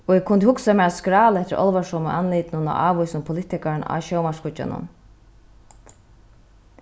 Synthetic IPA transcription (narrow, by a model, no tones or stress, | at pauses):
ɔɛɡ̚kʰʊnt̪ɪhʊksamɛːɾaskɾaːləɛht̪ːɪɾʔɔ̰lʋaʂɔmə̰ʔanliːt̪nʊna̰ʔaːʋujsʊnpʰʊlɪt̪ɪkaɾna̰ɕɔwmaʂkʊt͡ʃːa̰nʊ̰n